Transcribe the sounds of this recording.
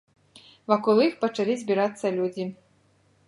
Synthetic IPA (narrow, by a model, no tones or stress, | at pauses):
vakɔlˠixpɐt͡ʂalʲizʲbʲiɾat̪sːɐlʲud͡zʲi